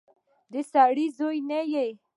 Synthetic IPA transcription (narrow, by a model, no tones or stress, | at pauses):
d̪esaːɽizojnejej